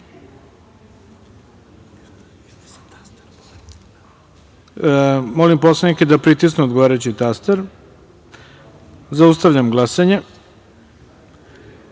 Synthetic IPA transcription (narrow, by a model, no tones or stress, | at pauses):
mo̞limposlˠeniked̪apɾit̪is̬nuod̪ɡoʋaːɾajut͡ɕit̪ast̪eɾ | zaust̪aʋʎʲamɡlˠasaɲe